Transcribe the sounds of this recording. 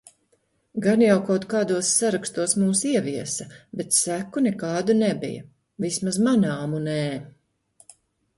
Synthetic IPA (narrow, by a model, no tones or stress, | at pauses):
ɡanjawkawt̪kaːd̪uɔsːaɾakst̪uɔsmuːsiɛviɛsɐbɛt̪sækunɛkɑːd̪unɛbḭjɐ̰ | vismazmanaːmunɛː